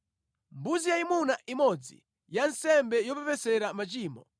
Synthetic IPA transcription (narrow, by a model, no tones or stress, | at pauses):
mbuzijaimunaʔimɔd͡zḭ | jansɛmbɛjɔpɛpɛsɛɾamat͡ʃiːmɔ